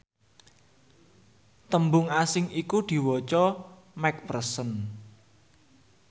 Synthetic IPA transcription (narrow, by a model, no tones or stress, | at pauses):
t̪əmbʊŋasɪŋikud̪̥i̤wɔt͡ʃɔ | mɛk̚pərsən